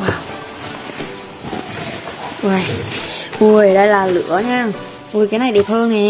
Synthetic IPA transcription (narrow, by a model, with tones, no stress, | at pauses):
aː˨˩w | ʔa˧˩jʔu˧˩əjɗə˧jlaː˨˩lɨ̰˧˥əɲaː˧˩˨ | ʔu˧˩jkaː˨˦jna˨˩jɗe˨˩p̚həː˧nɛ˨˩